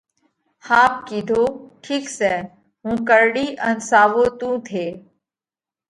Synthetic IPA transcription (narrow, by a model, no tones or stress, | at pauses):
haːp̚kiːd̪ʱoːʈʰiːksɛː | ɦũːkəɾɽiːʔənsaːʋoːt̪ũːt̪ʰeː